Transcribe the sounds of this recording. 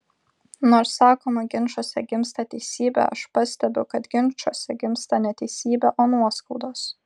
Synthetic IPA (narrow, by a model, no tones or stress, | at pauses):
noːɾsːɑːkoːmɐɡʲɪnʃoːsʲɛ̰ɡʲɪmst̪ɑːt̪ʲɛɪsʲiːbʲæ̰ɐ̰ʃpɐsʲt̪ʲɛbʲʊʊkɐt̪ɡʲɪnʃuːsʲɛɡʲɪmst̪ɑnʲɛt̪ʲɛɪsʲiːbʲɛʔoːnuɔskɐʊd̪oːs